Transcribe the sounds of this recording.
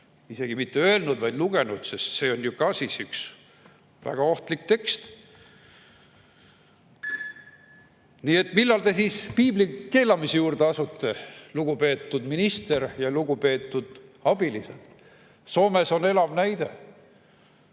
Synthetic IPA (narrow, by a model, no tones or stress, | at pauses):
ise̞ɡ̥imit̪ːeø̞e̞lnud̪vɑjd̪luɡ̥e̞nud̪̥sest̪se̞ːo̞njukɑsisyks | væ̰ɡ̥ɑo̞ht̪lik̚t̪e̞kst̪ | niːe̞t̪ːmilːɑlt̪e̞siːspiːblike̞ːlɑmisejuːrd̪eɑsut̪ːe̞luɡ̥upe̞ːt̪ːud̪minist̪e̞ɾjɑluɡupe̞ːt̪ˑːud̪̥ɑb̥ilise̞̰d̪̥ | so̞ːme̞so̞ne̞lɑvnæjd̪e̞̰